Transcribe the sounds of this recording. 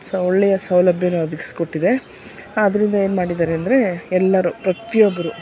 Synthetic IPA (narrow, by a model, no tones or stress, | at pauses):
sɔɭːɛjɐsɐwlɐbʱjɐnuɐd̪ʱikisko̞ʈːid̪e | ɐd̪ɐɾind̪ɐe̞ːnumaːɽid̪aːɾeɐnd̪ɐɾe̞ɛlːɐɾupɾɐt̪ijobːɐɾu